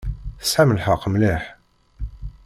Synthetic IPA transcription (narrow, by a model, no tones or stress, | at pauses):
sħaməlħəqːmlɪħ